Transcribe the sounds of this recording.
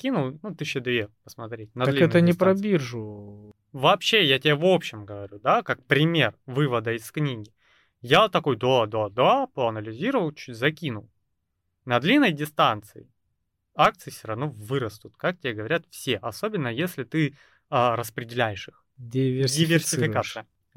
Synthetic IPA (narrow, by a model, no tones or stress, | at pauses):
kʲinʊlˠnut̪ɨɕːəd̪vʲepəsmɐt̪ɾʲet̚ʲnɐlʲiɛnt̪ənʲɪpɾɐbʲirʐʊ | vɐːpɕːejatʲɪbʲavo̞pɕːɪmɡəvɐɾʲud̪akak̚pɾʲɪmʲe̞rvɨvəd̪əɪsknʲiɡʲɪ | jat̪ɐko̞jd̪od̪ad̪apəɐnəlʲɪzʲiɾəvəlˠt͡ɕut̚ʲzɐkʲinʊ̰lˠ | nɐd̪lʲinːəjdʲɪst̪ant̪sɨ̰ɪ | ak̚t̪sɨɪfsʲəɾɐvnovɨɾəst̪ʊt̪kak̚tʲɪbʲeɡəvɐɾʲat̪fsʲeʔɐso̞bʲɪnːəjesʲlʲɪt̪ɨ | əɾəspɾʲɪdʲɪlʲæjɪʂɨx | dʲɪvʲɪdʲɪvʲɪrsʲɪfʲɪkat̪sɨjə